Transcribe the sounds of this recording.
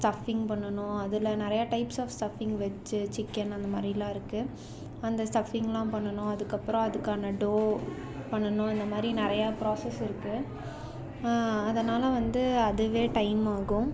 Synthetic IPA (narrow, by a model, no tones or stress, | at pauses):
sʈɐfɪŋɡpɐɳːɐɳʊ̃ɐðɪlɐnɪɾɐjaːʈɐɪpsaːfsʈɐfɪŋɡʋɐt͡ʃːɯt͡ʃɪkːɛnɐnd̪ɐmaːd̪ɾilãːɪɾɯkːɯ | ɐnd̪ɐsʈɐfɪŋɡlãːpɐɳːɐɳʊ̃ɐðɯkːɐpːɯɾɔ̃ɐðɯkːaːnɐɖoː | pɐɳːɐnʊ̃ɐnd̪ɐmaːd̪ɾinɪɾɐjaːpɪɾoːsɛsɪɾɯkːɯ | ɐðɐnaːlɐʋɐnd̪ɯɐðɯʋeːʈɐɪmaːɣʊ̃